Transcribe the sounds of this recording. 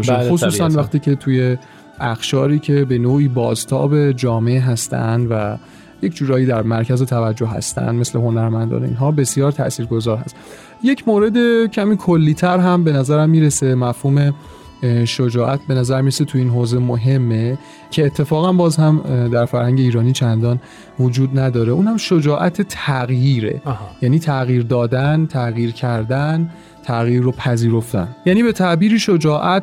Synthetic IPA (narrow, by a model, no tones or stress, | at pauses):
ʃæxosuːsænvæxt̪iːcʰe̞t̪ʰuje̞ | ʔæxʃɒːɾiːcʰe̞be̞noːiːbɒːzt̪ʰɒ̰ːbe̞d͡ʒɒːme̞eɦæst̪æ̰nd̪væ̰ | je̞cʰd͡ʒuːɾɒːjiːd̪æɾmæɾcʰæzo̞t̪ʰævæd͡ʒːohhæ̰st̪æ̰nd̪me̞sle̞ɦo̞næɾmænd̪ɒ̰ːnḭnɦɒːbe̞sjɒːɾt̪ʰæ̰ʔsiːɾɡo̞zɒːɾhæ̰st̪ | je̞cʰmoːɾe̞d̪e̞cʰæmiːkʰolːiːt̪ʰæɾɦæmbe̞næzæɾæmːiːɾe̞se̞mæfhuːme̞ | ʃod͡ʒɒːʔæt̪̚ʰbe̞næzæɾmiːɾeset̪ʰuiːnɦoːzemoɦe̞mːe̞ | cʰe̞ːt̪ʰːe̞fɒːɣænbɒːzhæmd̪æɾfæɾhæŋɟe̞iːɾɒːniːt͡ʃʰænd̪ɒːn | vod͡ʒuːd̪næd̪ɒːɾeuːnhæmʃod͡ʒɒːʔæt̪ʰet̪ʰæɣjiːɾḛhjæːniːt̪ʰæɣjiːɾd̪ɒːd̪ænt̪ʰæɣiːɾcʰæɾd̪æn | t̪ʰæɣjiɾːopʰæziːɾo̞ft̪æ̰njæniːbe̞t̪ʰæʔbiːɾiʃod͡ʒɒːʔæt̪